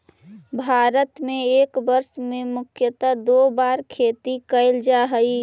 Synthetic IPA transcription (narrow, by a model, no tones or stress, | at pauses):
bʱaːɾət̪mẽeːkbəɾsmẽmʊkʰjət̪ad̪obaɾkʰeːt̪ikəɪld͡ʒaɦəi